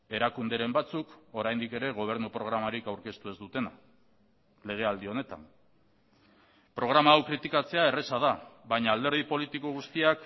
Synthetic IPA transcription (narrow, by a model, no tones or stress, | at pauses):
e̞ɾakund̪eɾe̞mbat͡suko̞ɾajnd̪ike̞ɾe̞ɣ̞o̞β̞e̞ɾnupɾo̞ɣ̞ɾamaɾikawɾke̞st̪ue̞zd̪ut̪e̞na | le̞ɣ̞e̞ald̪io̞ne̞t̪a̰n | pɾo̞ɣ̞ɾamaːwkɾit̪ikat͡se̞ae̞re̞sað̞aβajɲaːld̪e̞ɾð̞ipo̞lit̪ikoɣ̞ust̪iak